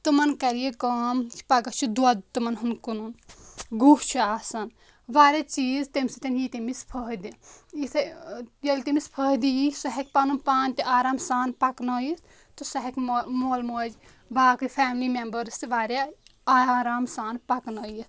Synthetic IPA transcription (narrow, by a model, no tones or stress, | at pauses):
t̪ɨmɐnkɐɾijekɐːmt͡ʃʰi̥pɐɡɐt͡ʃʰid̪uat̪umɐnɦunkununɡuːht͡ʃʰiaːsɐn | ʋaːɾʲat͡ʃiːzt̪emsit̪ɐnjit̪imispʰəɦd̪iit̪ʰjɐlt̪imispʰɐɦd̪ijisɐɦek̚panunpaːnʲt̪iʔaːɾaːmsaːnpɐknɐːjit̪ | t̪usɐɦɐkmoːlmoːd͡ʒ | ʋaːkɨpʰaːmlimembɐɾst̪iʋaːɾaaːɾaːmsaːnpɐknɐːjis